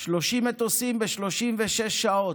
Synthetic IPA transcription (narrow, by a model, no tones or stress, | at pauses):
ʃloʃimet̪osimbeʃlo̞ʃimveʃeʃao̞